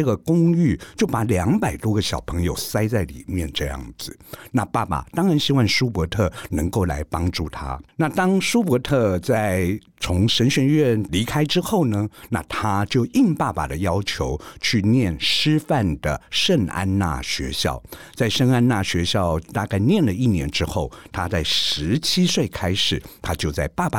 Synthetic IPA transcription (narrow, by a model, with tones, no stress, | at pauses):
ɤ˥˩ɡə˩kʊ˥ŋy˥˩t͡ɕjo˥˩ʊpa˧˥ljɑ˧˥ŋpa˨˩ɪt̪wɔ˥ɡə˨ɕjɑ˨˩ʊpʰɤ˧˥ŋjo˨˩ʊsa˥ɪt͡sa˥˩ɪlḭ˨˩mjɛ˥˧nʈ͡ʂɤ˥˧jɑ̰˥˩ŋd͡zɹ̩˩na˥˧pa˥˩pa̰˨˩t̪ɑ˥ŋɻa˧˥nɕi˥wɑ˥˩nʂu˥pwɔ˧˥t̪ʰɤ˥˩nə˧˥ŋko˥˩ʊla̰˧˥ɪpɑ˥ŋʈ͡ʂu˥˩t̪ʰa̰˥na˥˩t̪ɑ˥ŋʂu˥p̬wɔ˧˥t̪ʰɤ˥˧t͡sa˥˩ɪ | t͡sʰʊ˧˥ŋʂə˧˥nɕɥɛ˧˥nɥɛ˥˩nli˧˥kʰa˥ɪʈ͡ʂɻ̩˥xo˥˩ʊnə˩na̰˥˩t̪ʰa˥t͡ɕjo˥˧ʊi˥˧npa˥˩pa̰˨˩d̪ə˦jɑ˥ʊt͡ɕʰjo˧˥ʊt͡ɕʰy˥˧njɛ˥˩nʂɻ̩˥fa˥˩nd̪ə˩ʂə˥˧ŋa̰˥nna̰˥˩ɕɥɛ̰˧˥ɕjɑ̰˥˩ʊt͡sa˥˩ɪʂə˥˧ŋa˥nna˥˩ɕɥɛ˧˥ɕjɑ˥˧ʊt̪a˥˧ka˥˧ɪnjɛ˥˩nlə˩i˥˩njɛ̰˧˥nʈ͡ʂɻ̩˥xo˥˩ʊt̪ʰa˥t͡sa˥˩ɪʂɻ̩˧˥t͡ɕʰi˥swe˥˩ɪkʰa˥ɪʂɻ̩˨˩t̪ʰa˥t͡ɕjo˥˧ʊt͡sa˥˩ɪpa˥˩pa˨˩